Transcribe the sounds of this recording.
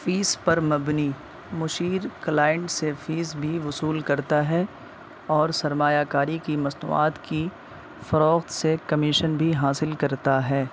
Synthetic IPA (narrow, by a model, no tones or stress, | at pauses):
fiːspɐɾmɐbni | mʊʃiːɾklaːjɪɳʈsefiːzbʱiʋʊsuːlkɐɾt̪aɦɛ | ɔːɾsɐɾmaːjaːkaːɾikimɐsnṵːa̰ːt̪ki | fɐɾɔːxt̪sekɐmɪʃənbʱiɦaːsɪlkɐɾt̪aɦɛː